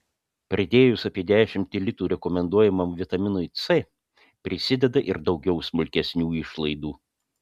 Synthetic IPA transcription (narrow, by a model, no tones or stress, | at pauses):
pʲɾʲɐd̪ʲeːjʊsɐpʲiɛd̪ʲæːʃʲɪmʲt̪ʲɪlʲɪt̪uːɾʲɛkɔmʲɛnd̪uɔjɛmɐmʋʲɪt̪ɐmʲɪnʊɪt̪sɛ | pʲɾʲɪsʲɪd̪ʲɛd̪ɐʔɪɾd̪ɒʊɡʲɛʊsmʊlʲkʲɛsʲnʲuːɪʃlˠɐɪd̪uː